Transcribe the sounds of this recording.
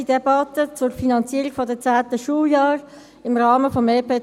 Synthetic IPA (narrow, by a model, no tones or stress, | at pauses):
id̥ɛbɑt̪ət͡sʊrfinɑnt͡siəʁiɡ̥fɔdət͡saːt̪əʃuːljɑːr | ɪmʁɑːməfɔmeːpeː